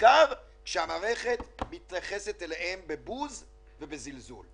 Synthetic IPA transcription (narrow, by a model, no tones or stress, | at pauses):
kaʁ | kʃeamaːʁeχe̞t̪mit̪jaχe̞set̪elehembe̞buz | vebezilzṵl